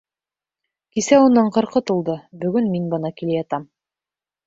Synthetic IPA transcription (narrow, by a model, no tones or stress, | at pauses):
kisæunːɑɴqɤ̆ɾqɤt̪ulˠd̪ɤbɵ̆ɡɵnminbɤ̆nɑkilæjɑt̪ɑm